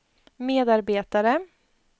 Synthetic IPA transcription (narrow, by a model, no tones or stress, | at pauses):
meːd̪aɾbeːt̪aɾə